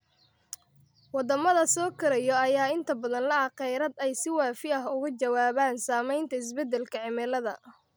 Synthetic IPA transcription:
wɑd̪ɐmɐðɐsɔːkʰɐɾɛjɔɐjaːɪnt̪ʰɐbɐðɐnlɐɑqɛjɾɐd̪ɛjsɪwɑːfɪɐɦʊɣʊt͡ʃɐwaːβaːnsaːmɛjnt̪ʰɐɪs̬bɛd̪ɛlkʰɐʕɪmɛlɐðɐ̰

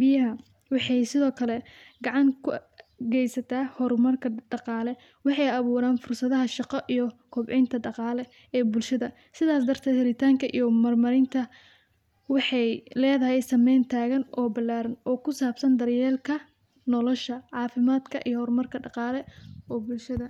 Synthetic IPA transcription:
bɪjɐɦɐ | wɑħɑjsɪðɔːkʰɐlɛɡɑʕɑŋkʰʊ | ɡɛjsɐt̪ʰaːhɔrmɐrkʰɐɖɑqɑːlɛ | wɑħɑjɑβuːɾaːnfʊrsɐðɐɦɐʃɑqɐʔijɞkʰɔbʕɛjnt̪ʰɐɖɑqɑːlɛ | ɛːbʊlʃɐðɐ | sɪðaːs̬d̪ɐrt̪ʰɛːd̪hɪɾɪt̪ʰaːŋkʰɐʔḭjɔmɐrmɐɾɪnt̪ʰɐ | wɑħɑjlɛːðɐɦɛjsɐmɛjnt̪ʰaːɣɐnɔːbɐlːaːɾɐnɔːkʰʊsaːbsɐnd̪ɐrjɛːlkʰɐ | nɔlɔʃɐʕɑːfɪmaːd̪kʰɐ̰ʔḭjɔhɔrmɐrkʰɐɖɑqɑːlɛɔːbʊlʃɐðɐ

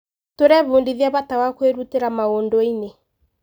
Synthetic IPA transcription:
toɾɛβuːndiðjaβatawakweɾuteɾamaondɔine

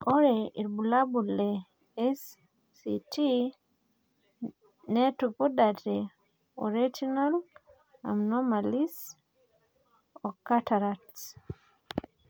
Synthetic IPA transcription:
ʔɔɾɛiɾbulabulɛ | ɛsː | itʰi | nɛtupudatɛ | ɔ̰ɾid͡ʒɔnal | a̰mnɔmalis | ɔkːatʰaɾats

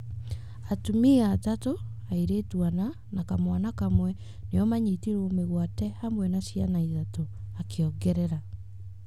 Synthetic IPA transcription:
atumiatato | aiɾeːtwana | nakamwanakamwɛ | neɔmaɲitiɾomeɣwatɛhamwɛnasianaiðatoakeɔɡɛɾɛɾa

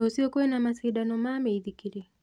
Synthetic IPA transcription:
usiɔkuwɛnamasiɗanɔmamɛiðikiɾi

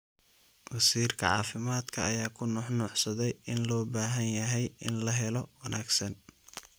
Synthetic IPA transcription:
wɐsiːrkʰɐ̰ʕɑ̰ːfɪmaːd̪kʰɐʔɐjaːkʰʊnʊħnʊħsɐðɛjʔɪnlɔːbaːɦɐnjɐɦɛjʔɪnlɐɦɛlɔwɑnʔaːɡsɐn

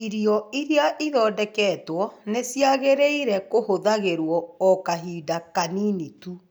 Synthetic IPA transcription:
iɾiɔiɾjaʔiðɔːdɛkɛːtwɔnesjaɣeɾeiɾɛkohoðaɣeɾwɔːkaɦiːdakaninitu

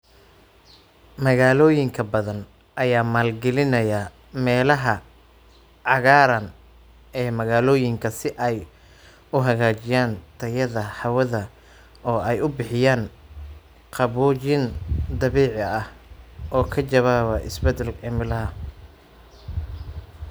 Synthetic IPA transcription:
mɐɣaːlɔːjɪŋkʰɐbɐðɐn | ʔɐjaːmaːlɡɛlɪnɐjɐ | mɛːlɐɦɐ | ʕɑɣaːɾɐn | ɛːmɐɣaːlɔːjɪŋkʰɐsɪʔɛj | ʊɦɐɣaːt͡ʃɪjaːnt̪ʰɐjɐðɐħɑwɐðɐ | ɔːɛjʊbɪħɪjaːn | qʰɑβut͡ʃɪnd̪ɐβiːʕɪɐhʔɔːkʰɐt͡ʃɐβaːβɐʔɪ̰sbɛd̪ɛlkɛmɪlɐɦɐ

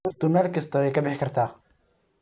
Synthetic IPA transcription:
st̪ʊnɐrkʰɐst̪ʰɐwɛjkʰɐbɪħkʰɐrt̪ʰaː

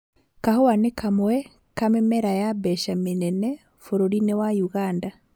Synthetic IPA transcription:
kahowanekʰamwɛ | kamemɛɾajabɛʃaminɛnɛ | foɾoɾinewajuɣaːnda

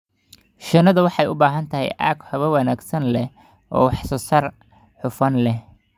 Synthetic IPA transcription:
ʃɐnɐðɐwɑħɑjʊbaːɦɐnt̪ʰɐɦɛ̰jʔaːɡhɐβɐwɑnaːɡsɐnlɛ | ʔɔ̰ːwɑħsɔsɐr | ħʊfɐnlɛ

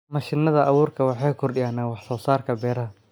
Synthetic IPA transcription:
mɐʃɪnːɐðɐʔɐwʊːrkʰɐwɑħɑjkʰʊrɗɪjaːnaːwɑħsɔːsaːrkʰɐbɛːɾɐɦɐ

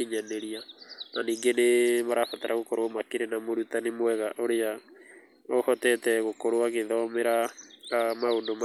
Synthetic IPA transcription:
iɲaneɾiananiːŋɡenemaɾafataɾʔaɣokoɾomakeɾenamoɾutanemwɛɣaʔoɾea | ohɔtɛtɛɣokoɾoaɣeðɔmeɾa | maondom

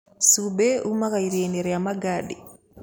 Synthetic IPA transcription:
subeumakaiɾeneɾeamaɡaɗi

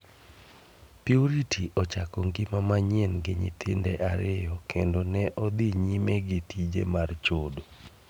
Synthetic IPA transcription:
piuɾitiʔɔt͡ʃakɔŋɡimamaɲɛnɡɪɲɪ̰t̪ʰɪndɛʔaɾɪjɔkʰendonɛʔɔd̪iɲimɛɡitid͡ʒḛmart͡ʃodo

